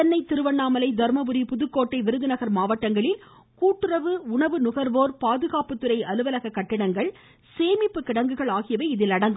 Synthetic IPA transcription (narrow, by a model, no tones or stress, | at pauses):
ɐnːɐɪt̪ɪɾɯʋɐɳːaːmɐlɐɪd̪ɐɾmɐbɯɾipʊðɯkːoːʈːɐɪʋɪɾɯðɪnɐɣɐɾmaːʋɐʈːɐŋɡɐɭɪl | kuːʈːɯɾɐʋɯʊɳɐʋɯnʊɣɐɾʋoːɾpaːðɯɣaːpɯt̪ːɯɾɐɪʔɐlɯʋɐlɐɣɐkːɐʈːɪɽɐŋɡɐɭ | seːmɪpːɯkɪɽɐŋɡɯɣɐɭaːɣɪjɐʋɐɪɪðɪlɐɽɐŋɡɯ